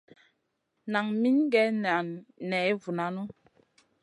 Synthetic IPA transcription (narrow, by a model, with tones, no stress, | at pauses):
na˨ŋmi˦n˦ɡɛ˨˦n˨nɛ˨˦vu˨na˨˦nu˦